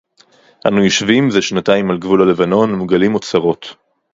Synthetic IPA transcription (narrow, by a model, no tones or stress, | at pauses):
ʔanujoʃvimzeʃnataimalɡvulale̞vano̞nmuɡalimot͡saʁo̞t